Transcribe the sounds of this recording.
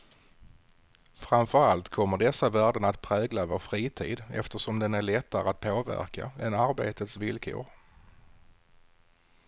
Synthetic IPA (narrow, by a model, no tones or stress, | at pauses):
fɾamfœɾalt̪kʰɔmːəɖɛsːavæːɖəɳat̪pʰɾɛːɡlavoːɾfɾiːt̪ʰḭːd̪ɛ̰ft̪əʂɔmd̪ɛnæɭɛt̪ːaɾəat̪̚pʰoːvæ̰ɾka̰ɛnaɾbḛːt̪ət̪svɪlkʰʊ̰ɾ